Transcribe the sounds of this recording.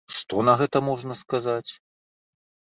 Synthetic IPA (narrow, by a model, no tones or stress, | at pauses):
ʂt̪ɔnɐɣɛt̪ɐmɔʐnɐskazat͡sʲ